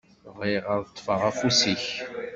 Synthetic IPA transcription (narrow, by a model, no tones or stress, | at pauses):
viʁəðˤt̪ˤːfəʁæfusiç